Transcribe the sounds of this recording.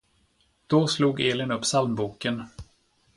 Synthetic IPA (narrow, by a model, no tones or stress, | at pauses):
d̪̥ɔsluːɡeːlɪnɵpːsalmbuːkən